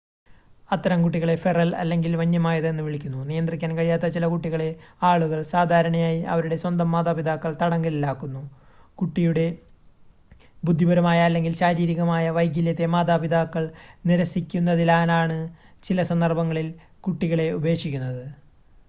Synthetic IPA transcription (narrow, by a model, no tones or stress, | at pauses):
ɐt̪ːɐɾɐmkuʈːiɣɐɭe̞ferɐlɐ̰lːe̞ŋɡilʋɐɲːɐmaːjɐðenːɨʋiɭikʲːunːunijɐnd̪rikʲːaːnkɐɻijaːt̪ːɐt͡ɕilɐkuʈːiɣɐɭe̞aːɭuɣɐɭsaːd̪ʱaːɾɐɳɐjaːjiʔɐ̰ʋɐɾuɽe̞swɐnd̪ɐmːaːd̪aːpid̪aːkːɐɭt̪ɐɽɐŋɡɐlilːaːkːunːu | kuʈːijuɽe̞ | bud̪ʱːibɐɾɐmaːjalːe̞ŋɡilɕaːɾiːɾiɣɐmaːjɐʋɐjɡʲiljɐt̪ːe̞maːd̪aːbid̪aːkːɐɭniɾɐsikʲːunːɐðilaːnaːɳɨ | t͡ɕilɐsɐnd̪ɐrbɐŋːɐɭil | kuʈːiɣɐɭe̞ube̞ːkʂikʲːunːɐðɨ